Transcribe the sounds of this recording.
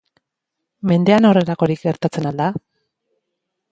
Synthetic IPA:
me̞nd̪e̞ano̞re̞ɾako̞ɾikɡe̞ɾt̪at͡se̞nald̪a

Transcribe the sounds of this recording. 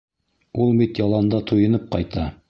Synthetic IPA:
ulˠbit̪jɑlˠɑnd̪ɑt̪ʰŏjɤ̆nɤp̚qɑjt̪ɑ

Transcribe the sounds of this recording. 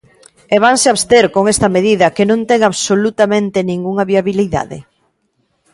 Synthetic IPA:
eβaŋsɪaβst̪eɾkoŋest̪ɐmeðiðɐkɪnõnt̪ɛŋaβsolut̪amẽnt̪ɪnĩŋɡuŋɐβiaβiliða̰ðɪ̰

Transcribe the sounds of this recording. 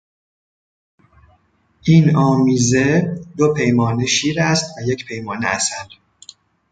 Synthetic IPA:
ʔiːnɒːmiːze̞d̪opʰe̞jmɒːneʃiːɾæst̪væje̞cʰpʰe̞jmɒːnḛæsæl

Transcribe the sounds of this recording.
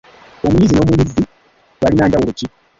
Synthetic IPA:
omuɲizino̞ːmuɲizi | βalinaːnɟawuluci

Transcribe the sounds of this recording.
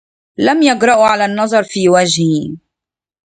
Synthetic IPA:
lamjaɡɾˤɑʔʕalaːnːɑðˤɑɾˤfiːwad͡ʒɪh

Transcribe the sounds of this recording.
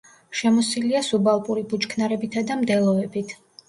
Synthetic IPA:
ʃɛmɔsiliasubalˠpʼuɾibut͡ʃʼkʰnaɾɛbit̪ʰad̪amd̪ɛlˠɔɛbit̪ʰ

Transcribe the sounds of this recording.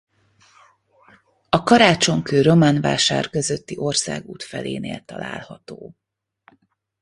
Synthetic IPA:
ɒkɒɾaːt͡ʃo̞ŋkøːɾo̞manva̰ːʃaːrkøzøt̪ːiʔo̞rsa̰ːɡṵːt̪fɛleːneːlt̪ɒla̰ːlhɒt̪oː

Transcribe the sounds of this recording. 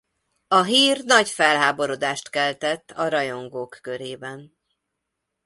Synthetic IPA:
ɒɦiːrnɒɟfɛlɦaːbo̞ɾod̪aːʃt̪kɛlt̪ɛt̪ːɒɾɒjo̞ŋɡoːkːøɾeːbɛn

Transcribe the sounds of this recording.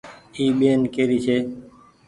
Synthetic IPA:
iːɓeːnkeːɾiːt͡ʃʰeː

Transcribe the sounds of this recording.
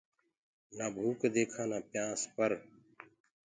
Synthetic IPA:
naːbʱuːkd̪eːkʰãːnãːpjãːspəɾ

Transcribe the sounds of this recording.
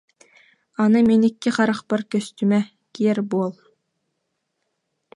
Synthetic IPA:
ɑnɤmenikːɘχɑɾɑqpɤɾkʲɵ̆st̪ymæ | kʲijɛɾbuolˠ

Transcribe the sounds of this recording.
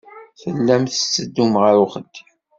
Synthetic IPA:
θəlːæmθəsːəd̪ːumʁəɾuχəd̪̥ːi

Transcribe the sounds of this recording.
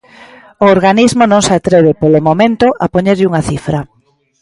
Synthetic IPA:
ooɾɣanizmonõŋsat̪ɾɛβepolomomẽnt̪ʊʔapoɲeɾʎuŋaθifɾɐ

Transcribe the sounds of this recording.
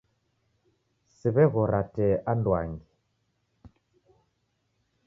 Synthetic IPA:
siβɛɣɔɾatɛʔandwa̰ŋɡi

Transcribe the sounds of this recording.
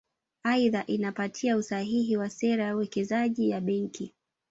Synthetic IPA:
aiðaʔinapatʰiausaɦiɦiwasɛɾajauwɛkɛzaʄijaɓɛŋki

